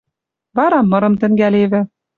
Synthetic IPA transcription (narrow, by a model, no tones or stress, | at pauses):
βɑɾɑmːɤ̆ɾɤ̆mt̪ɘ̆ŋɡæleβɘ̆